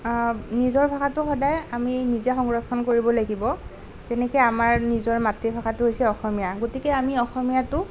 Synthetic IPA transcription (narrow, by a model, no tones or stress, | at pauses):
nizɔɹbʱaxatʊxɔdajaminizɛxɔŋɹɔkʰːɔnkoɹibɔlaɡibɔ | z̥ɛnɛkɛjamaɹnizɔɹmatɹibʱaxatʊɦojsɛɔxɔmijaɡotikɛamiɔxɔmijatʊ